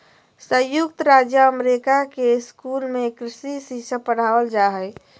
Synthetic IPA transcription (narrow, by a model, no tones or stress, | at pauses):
sə̃jʊkt̪ɾaːd͡ʒjəəmɾikakeskuːlmẽkɾɪsisisəpəɽ̤aːʋəld͡ʒaɦəɪ